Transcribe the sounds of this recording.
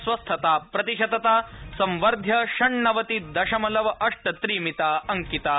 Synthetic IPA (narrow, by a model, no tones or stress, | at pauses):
sʋɐst̪ʰɐt̪aːpɾɐt̪iʃɐd̪ɐt̪aːsɐmʋɐɾd̪ʱjɐʃɐɳːɐʋɐt̪id̪ɐʂɐmɐlɐʋɐʔɐʂʈɐt̪ɾiːmit̪aːɐŋkit̪aː